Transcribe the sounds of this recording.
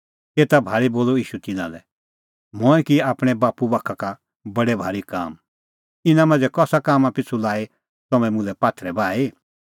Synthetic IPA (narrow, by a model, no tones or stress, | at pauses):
t̪eːt̪abʱaːɾiboːloiːʃut̪ɪnã̰lɛ̰ | mɔɛ̃kiaːpɽ̃ɛbaːpubakʰaka | bɐɽɛbʱaːɾika̰ːm | ɪnãmɐ̃nd͡zɛkɔːsakaːmapɪt͡sʰulaːi | t̪ɔmɛ̃mʊ̃lɛpaːt̪ʰɾɛbaːi